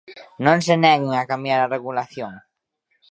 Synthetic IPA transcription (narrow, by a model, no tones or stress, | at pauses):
nõŋsenɛɣɪŋakambjaɾareɣulaθjoŋ